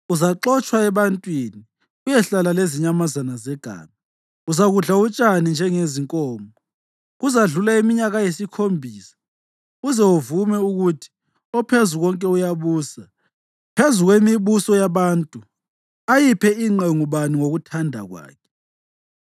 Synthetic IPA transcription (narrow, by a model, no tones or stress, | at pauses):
uzaǁɔt͡ʃʼwaɛβantʼwini | ujɛɬalaleziɲamazanazɛɡ̥ʱa̰ːma | uzaɣuɮaut͡ʃʼanind͡ʒʱɛŋeziŋkʼɔːmɔ | ɣuzaɮulaimiɲaɣajesikʰombʱiːsḁ | uzɛuvumɛuɣutʰi̥ | ɔpʰezuɣɔŋkʼɛujaβuːsa | pʰezuɣwemiβusɔjaβaːntʼu | ajipʰɛiŋ͡ǃeŋuβaniŋoɣutʰandʱa̰ɣwa̰ːkʰɛ̥